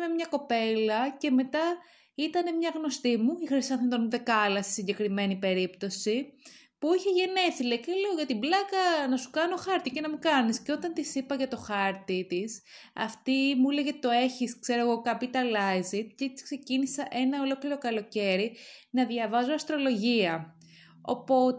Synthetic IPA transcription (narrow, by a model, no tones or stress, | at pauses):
memɲɐko̞pe̞lɐce̞me̞t̪ɐ | it̪ɐne̞mɲɐɣno̞st̪imuixɾisɐθnt̪onðe̞kɐlɐst̪i̥siɲɟekɾime̞nipe̞ɾipt̪o̞si | puiçeʝe̞neθileiceleoʝɐt̪iblɐkɐnɐsu̥kɐno̞xɐɾt̪icenɐmukɐnisceo̞t̪ɐnt̪isipɐʝɐt̪o̞xɐɾt̪it̪isɐ̰ft̪imuileʝɐit̪o̞e̞çiskse̞ɾoɣo̞kɐpit̪ɐlɐjzit̪̚cet̪i̥skse̞cinisɐʔe̞nɐo̞lo̞kliɾo̞kɐlo̞ce̞ɾinɐðʝɐvɐzoɐst̪ɾo̞lo̞ʝiɐ | o̞̰po̞t̪